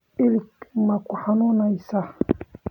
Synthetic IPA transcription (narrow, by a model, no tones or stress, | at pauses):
ilikmakuhanɔnaisa